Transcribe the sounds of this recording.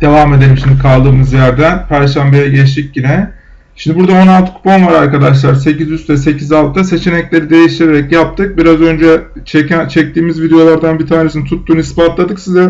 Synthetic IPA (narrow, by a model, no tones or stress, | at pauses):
d̪̥e̞vaːme̞d̪eɾʲimʃimd̪ikʰalˠd̪ɯːmɯzjæɾd̪ænpʰæɾʃæmbejɛɟɛʃic̚ɟinɛ | ʃimd̪ibuɾd̪ao̞nalˠt̪ʰkʰu̥panvaɾaɾkad̪aʃlˠaɾse̞cizyst̪vɛse̞cʰizalˠt̪ʰːase̞t͡ʃʰe̞nɛclʲe̞ɾid̪e̞jiʃt̪ʰiɾeɾɛcjap̚t̪ʰɯk̚biɾazø̞nd͡ʒɛ | t͡ʃʰɛcænt͡ʃʰɛc̚t̪iːmizvid̪ejo̞lˠaɾd̪anbiɾt̪ʰaːnesinit̪ʰut̪ːuːnuispat̪lˠad̪ɯksizɛ